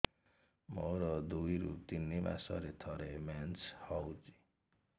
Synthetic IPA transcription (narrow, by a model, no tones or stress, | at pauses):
moɾʌd̪ujɾṵt̪inːima̰sʌ̰ɾet̪ʰʌɾemant͡shɔwt͡si̥